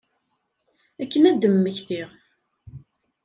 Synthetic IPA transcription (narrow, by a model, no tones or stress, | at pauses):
ækːənæd̪əmːəçθiʁ